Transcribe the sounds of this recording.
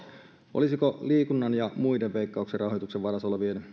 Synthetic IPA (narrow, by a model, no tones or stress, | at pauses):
ʔo̰lisikoliːkunːɑnjɑmuideʋʋeikːɑukserɑɦojt̪ukseʋʋɑɾɑsoleʋien